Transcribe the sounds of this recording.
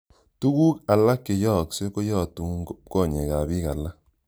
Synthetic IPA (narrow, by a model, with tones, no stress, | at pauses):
tu˦ku˦ka˨la˦ke˨jɔ˦˨kse˦ko˦jɔ˦˨tu˨˦ŋɡo˦p̚kɔ˦˨ɲe˨ka˨bi˦ka˨la˦